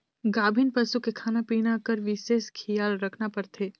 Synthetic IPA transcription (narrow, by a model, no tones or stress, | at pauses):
ɡaːbʱɪnpɐsukekʰaːnapiːɽ̃akəɾʋɪʃeːʃkʰijaːlɾɐkʰnapɐɾt̪ʰeː